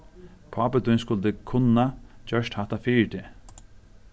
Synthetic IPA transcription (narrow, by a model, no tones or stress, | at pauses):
pʰɔːpət̪ʊjnskʊlt̪ɪkʰʊnːad͡ʒœʂt̪haht̪afiːɹt̪ʰɪ